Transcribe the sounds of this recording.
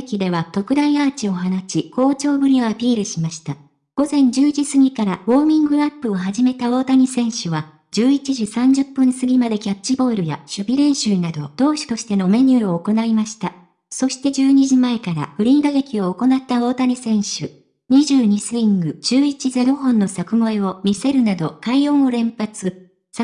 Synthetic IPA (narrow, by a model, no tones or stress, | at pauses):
ekʲid̪e̞βat̪o̞kɯ̟d̪aiaːt͡ɕio̞ɦanaɕikʰo̞ːt͡ɕo̞ːbɯ̟ɾʲio̞apʲiːɾɯ̟ɕimaɕi̥t̪a | ɡ̥o̞zẽ̞ɲ̟d͡ʑɨːd͡ʑisɨɲ̟ʲikaɾabo̞ːmʲĩŋɡɯ̟apːɯ̟o̞ɦaʑime̞t̪ao̞ːt̪aɲ̟isẽ̞ɰ̃ɕɯβa | d͡ʑɨːit͡ɕiʑisãɲ̟d͡ʑɨpːɯ̟̃nsɨɡʲimad̪e̞kʲat͡ɕibo̞ːɾɯ̟ja̰ɕɨbʲiɾẽ̞ɰ̃ɕɨːnad̪o̞d̪̥o̞ːɕi̥t̪o̞ɕi̥t̪e̞no̞me̞ɲ̟ʲɨːo̞ːko̞naimaɕi̥t̪a | so̞ɕi̥t̪e̞d͡ʑɨːɲ̟iʑimaekaɾa̰ɸɯ̟ɾʲĩnɡ̪aɡekʲio̞ːko̞nat̪ːao̞ːt̪aɲ̟isẽ̞ɰ̃ɕɨ | ɲ̟iʑɨːɲ̟isɨɾʲĩŋɡɯ̟d͡ʑɨːit͡ɕize̞ɾo̞ɦõ̞nːo̞sakɯ̟moeo̞mʲise̞ɾɯ̟nad̪o̞kaiõ̞ɰ̃o̞ɾẽ̞mpat͡sɨ | sa